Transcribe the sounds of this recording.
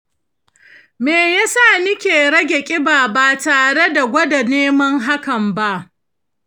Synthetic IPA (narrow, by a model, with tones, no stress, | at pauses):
meː˨ja˦saː˦˨nɪ˦kʲeː˨ɽɐ˦ɡʲe˨kʲʼɪ˦baː˨ba˦˨taː˨ɽe˦da˨ɡʷɐ˦da˨neː˦mɐ˦ŋɦa˦kɐ˨mba˦ʔ